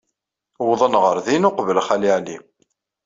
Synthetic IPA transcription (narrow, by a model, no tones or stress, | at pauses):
wðˤənʁəɾðinʊqvəlχæliʕli